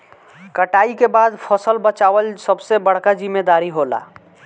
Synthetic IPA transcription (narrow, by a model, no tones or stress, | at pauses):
kəʈaikebad̪pʰəsəlbət͡ʃawəlsəbsebəɽ̤kad͡ʒimːed̪aɾiɦola̰